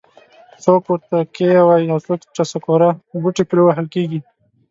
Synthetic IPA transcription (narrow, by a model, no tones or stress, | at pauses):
sopuɾt̪akeawaiawsokt͡ʃasakoɾabuʈepɾewaɦəlkeɡi